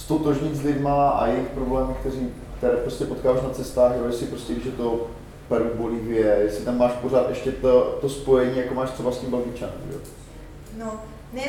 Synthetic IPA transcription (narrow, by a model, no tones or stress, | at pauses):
st̪ot̪oʒɲɪzlɪdmaa̰jɛjɪxpɾo̞blɛːmɪkt̪ɛɾiː | kt̪ɛɾɛːpɾo̞scɛpo̞t̪kaːvaːʃnat͡sɛst̪aːɣʒjɛojɛsɪpɾo̞scɛviːʒɛt̪o̞ | pɛɾuboliːvɪjɛjɛsɪt̪amːaːʃpo̞ɾaːt̪ʔɛʃcɛt̪ot̪o̞spo̞jɛɲiːjakomaːʃt̪r̝̥ɛbasc̪ʲimbɛlɡɪt͡ʃanṵmʒɛ̰o | no | nɛ